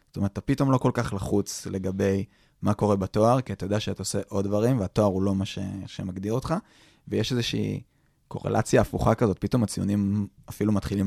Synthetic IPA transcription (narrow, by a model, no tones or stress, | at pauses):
zo̥t̪oe̞ʁt̪apito̞mlo̞ko̞lkaχlaχut͡sle̞ɡabe̞j | mako̞ʁe̞bato̞aʁkiatajodeaʃeataoseʔo̞ddvaʁimveato̞aʁulo̞maʃḛeʃemaɡd̪iʁo̞t̪χa | vejeʃezeʃḭː | kʰo̞̰ʁḛlʔa̰t͡sjaːfuχakazo̞t̚pito̞mat͡siunimafilumatχilim